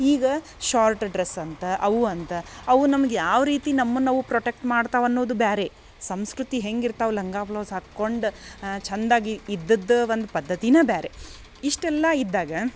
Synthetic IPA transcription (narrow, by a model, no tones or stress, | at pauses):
iːɡɐ | ʃaːɾʈɖɾesɐnt̪ɐʔɐʋuɐnt̪ɐɐʋunɐmɐɡejaːʋɾiːt̪inɐmːɐnːɐʋupɾoʈek̚ʈmaːɖt̪aːʋɐnːoːd̪ubaːɾe̞ | sɐmskɾut̪iɦe̞ŋɡiɾt̪aːʋulɐŋɡaːpɐlɐʋsakːo̞ɳɖt͡ʃɐnd̪aːɡiːd̪ːɐd̪ːʋond̪upɐd̪ːɐt̪inɐbaːɾe̞ | iʂʈɛlːɐid̪ːaːɡɐ